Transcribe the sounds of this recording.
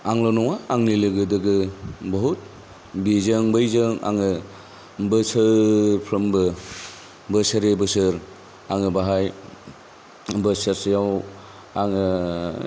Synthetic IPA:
aŋlɔnɔŋaaŋnilɯɡɯdɯɡɯbɔɦut̚ | bizɯŋbɯjzɯŋa̰ŋɯ | bɯsɯɾpʰɾɯmbɯ | bɯsɯɾebɯsɯɾ | aŋɯbaɦaj | bɯsəɾsjaw | aŋɯ

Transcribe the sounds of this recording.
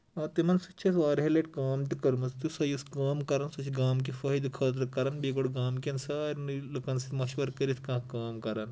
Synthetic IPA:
at̪emɐnsut͡ʃʰesʋaːɾɦeleʈkaːmt̪ikɐɾmɐst̪isɐjuskaːmkɐɾansut͡ʃʰiɡaːmk̬ifɐɦid̪kʰəːt̪ɾəkɐɾanbiɡoɽɡaːmkʲɐnsaːɾnlɐkansit̪mɐɕʋɐɾkɐɾit̪ʰkãːkaːmkɐɾan

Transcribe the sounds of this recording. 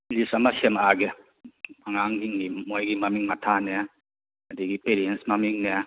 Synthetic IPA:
lisamasemaɡɛ | aŋaŋɡiŋnimojɡimamiŋmatʰanɛ | ɐdiɡipeɾiensmamiŋnɛ

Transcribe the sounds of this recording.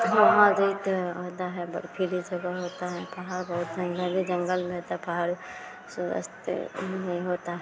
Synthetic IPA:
ɦɦãɾiit̪ɦoːt̪aɦɛbə̰ɽpʰilid͡ʒɐɡaɦoːt̪aɦɛpaɦaɾbəɦʊt̪d͡ʒɐ̃ŋɡəlbʱid͡ʒə̃ŋɡəlmẽɦot̪aɦɛpaɦaɾ | sʊdə̰st̪mɦoːt̪aɦɛ

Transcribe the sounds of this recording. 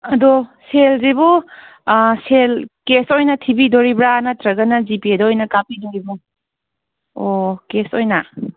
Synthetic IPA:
ɐdɔselzibu | selkesojnɐtʰibidɔɾibɾanɐtɾɐɡɐnɐzipiedɔːjnɐkapidoɾibu | okesojna

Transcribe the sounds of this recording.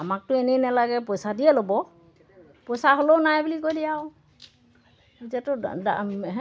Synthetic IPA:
amak̚tʊɛnɛnɛlaɡɛpɔjsadiɛlobɔ | pɔjsaɦolownajbulikojlijaʊ | izatʊda̰ɦɛ

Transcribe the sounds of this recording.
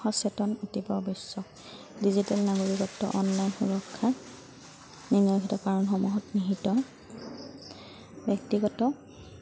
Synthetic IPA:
ɔsɛtɔnutipɔbɔsːɔk̚ | dizitɛlnaɡoɹikɔtːɔ̰ʔɔnlajnxuɹɔkʰːa | ninɔkitɔkaɹɔnxɔmɔɦɔtniɦitɔ | bɛk̚tiɡɔtɔ

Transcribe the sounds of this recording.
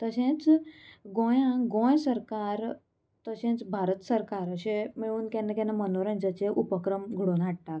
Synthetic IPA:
t̪əɕẽt͡sɡõjãɡõjsəɾkaɾ | t̪əɕẽt͡sbʱaɾət̪səɾkaɾəɕemiɭuːnkanːakãnːamənoɾãnd͡ʑət͡ɕeʔupəkɾəmɡʱuɽuːnɦaʈ̚ʈak

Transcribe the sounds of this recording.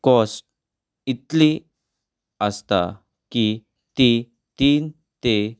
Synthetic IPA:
kɔsʈ | it̪li | əst̪a̰ | ki | t̪i | t̪iːn | t̪e

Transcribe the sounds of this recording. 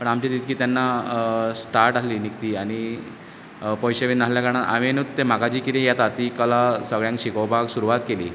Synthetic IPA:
pəɳamt͡ɕad̪it̪̚kiːt̪janːasʈaɾʈaliːnik̚t̪iːaɽ̃i | pɔjɕeʋiːnasljakaɾɽ̃aʔa̰ʋenut̪t̪ːem̤akad͡ʑiːkit̪ĩjat̪at̪ikəlasəɡɭjãŋkɕikəwbʱaɡsuɾuʋat̪kelḭː

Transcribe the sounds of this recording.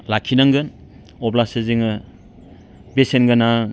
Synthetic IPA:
lakʰinaŋɡɯn | ɔblaseziŋɯ | besenɡɯna

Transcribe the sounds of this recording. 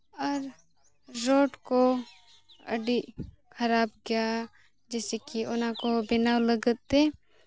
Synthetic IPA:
ɔɾ | ɾoːʈko | ɐ̰ɖiʔ | kʰɐɾaːbɡɪja | d͡ʒɛːsekiʊnakobɪnaːwləɡət̪ːe

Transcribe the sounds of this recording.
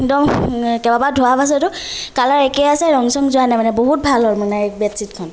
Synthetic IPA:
dɔmkɛbabadʱuapas̬ɔtʊkalaɹɛkɛjasɛɹɔŋsɔŋzʊanajmanɛboɦut̚bʱalɔɹmɔnabɛtsitkʰɔn

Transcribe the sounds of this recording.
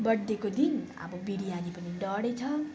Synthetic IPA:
bʌd̪ːekod̪in | ʌ̰bʌbiɽianipʌniɖʌɽet͡sʰʌ

